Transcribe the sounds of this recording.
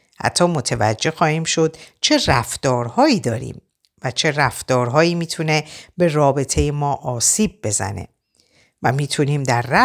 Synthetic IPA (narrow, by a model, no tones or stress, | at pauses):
hæ̰t̪ʰːɒːmo̞t̪ʰevæ̰d͡ʒːe̞xɒːhiːmʃo̞d̪̥t͡ʃʰe̞ræft̪ɒːɾhɒːiːd̪ɒːɾḭːm | væt͡ʃʰe̞ræft̪ɒːɾɦɒːjiːmiːt̪ʰune̞be̞rɒːbe̞t̪ʰe̞jemɒːʔɒːsiːb̚ːe̞zæ̰ne̞̰ | væmiːt̪ʰuniːmd̪æɾːæ